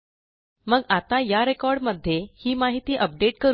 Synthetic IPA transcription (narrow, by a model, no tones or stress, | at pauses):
məɡat̪ajaɾekɔɾɖməd̪ʱːjehiːmaɦit̪iːʔəp̚ɖeʈkəɾ